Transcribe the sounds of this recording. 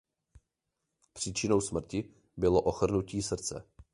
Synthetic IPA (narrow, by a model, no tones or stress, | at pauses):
pr̥iːt͡ʃɪno̞wsmr̩cɪ | bɪlo̞ʔoxr̩nuciːsr̩t͡sɛ̰